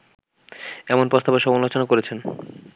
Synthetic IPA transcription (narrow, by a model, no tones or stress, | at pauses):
ɛmonpost̪abaʃɔmonlot͡ɕonakoɾet͡ɕʰen